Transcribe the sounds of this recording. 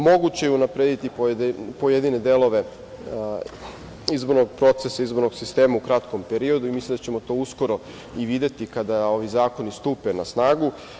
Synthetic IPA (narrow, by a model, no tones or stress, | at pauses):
mo̞ɡut͡ɕejeunapɾed̪it̪ipopo̞jed̪ine̞d̪e̞lˠo̞ʋe̞ | izbo̞ɾnoɡ̚pɾo̞t̪sesaizbo̞ɾnoɡsist̪e̞ːmaukɾat̪ko̞mpeɾio̞d̪uimislimd̪at͡ɕe̞mo̞t̪o̞ːusko̞ɾo̞ | iʋid̪e̞t̪ikad̪ao̞ʋizaːko̞nist̪uːpenasnaːɡu